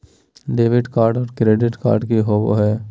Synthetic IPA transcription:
ɖeːʋɪɖkaːɾɖɔːɾkɾeːɖɪʈka̰ːɾɖkiɦoʋo̰ɦɛː

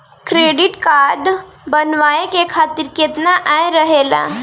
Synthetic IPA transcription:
kɾeːɖɪʈkaːɾɖbənʋaːekekʰaːt̪ɪɾkeːt̪naʔaɾəɦeːla̰ː

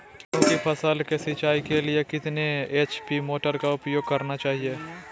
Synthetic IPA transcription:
kʲjõːkipʰɐsəːlkesɪt͡ʃaːikeliekɪt̪neeːt͡ʃpimoːʈəɾkaʊpjoːɡ̚kɐɾnat͡ʃaːɦieː

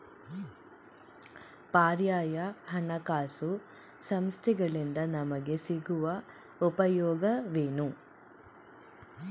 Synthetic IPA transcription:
paːɾjaːjɐhɐɳɐkaːsu | sɐmst̪ʰiɡɐɭind̪ɐnɐmɐɡe̞siɡuʋɐ | upɐjɔːɡɐʋeːnu

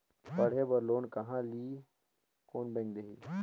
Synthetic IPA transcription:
pɐɽ̤ebɐɾloːnkɐɦãliː | koːnbẽːŋkd̪eɦiː

